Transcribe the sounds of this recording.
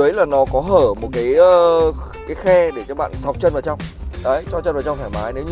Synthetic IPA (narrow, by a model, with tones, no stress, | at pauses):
əjlaː˨˩nɔ˨˦kɔ˨˦ɦəː˧˩mo˨˩t̚kaː˨˦jː | kaː˨˦jxɛ˧ɗe˧˩t͡ɕɔ˧˩ɓa̰ː˧˨nsa˨˩k͡p̚t͡ɕə˧nvaː˨˩wt͡ɕa˧wŋ͡mɗə˨˦jt͡ɕɔ˧t͡ɕə˧nvaː˨˩t͡ɕwŋ͡mfaː˧˩maː˨˦jne˨˦